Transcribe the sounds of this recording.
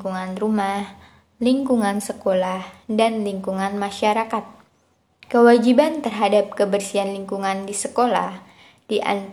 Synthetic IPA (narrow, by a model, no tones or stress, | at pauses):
kuŋanrumah | liŋkuŋansəkolahdanliŋkuŋanmaʃaɾakat̪̚ | kəwad͡ʒibant̪ərɦadap̚kəbərsianliŋkuŋandisəkola̰h | diʔa̰n